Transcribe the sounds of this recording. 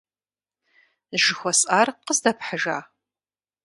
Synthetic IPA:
ʒɪxʷɔsʼaːrqəzdɐpħəʒaː

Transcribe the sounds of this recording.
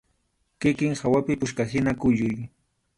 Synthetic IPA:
kɪkɪŋhawapɪpʊʃkahɪnakʊʎʊj

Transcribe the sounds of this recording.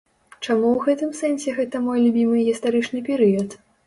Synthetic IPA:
t͡ʂamuwɣɛt̪ɨmsɛnsʲɛɣɛt̪ɐmɔjlʲubʲimɨɣʲist̪aɾɨt͡ʂnɨpʲɛɾɨjɐt̪

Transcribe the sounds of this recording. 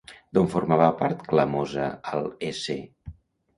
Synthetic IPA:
d̪oɱfuɾmaβapaɾt̪kləmozəəlˠese

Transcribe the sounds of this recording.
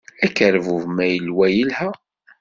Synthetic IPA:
ækːəɾvuvmæjəlwæjəlhæ

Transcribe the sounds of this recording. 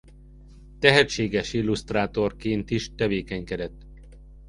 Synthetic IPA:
t̪ɛɦɛt̪t͡ʃeːɡɛʃilːust̪raːt̪o̞rkeːnt̪iʃt̪ɛveːkɛɲkɛd̪ɛt̪ː

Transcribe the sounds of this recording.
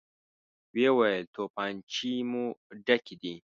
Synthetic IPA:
wewajəlt̪opaːnt͡ʃimuɖɐkid̪i

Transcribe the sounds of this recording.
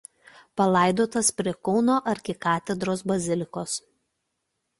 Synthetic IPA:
pɐlˠɐˑɪd̪oːt̪ɐspʲɾʲiɛkɒʊnoːʔɐɾʲkʲɪkɑːt̪ʲɛd̪ɾoːsbɐzʲɪlʲɪkoːs

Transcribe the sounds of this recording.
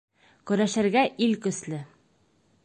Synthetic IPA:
kɵ̆ɾæʃɘ̆ɾɡæʔilkɵ̆slɘ

